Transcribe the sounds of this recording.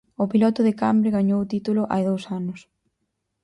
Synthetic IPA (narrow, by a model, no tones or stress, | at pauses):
ʊpilɔt̪ʊðɪkambɾɪɣaɲowt̪it̪ulʊʔa̰jðowsanʊs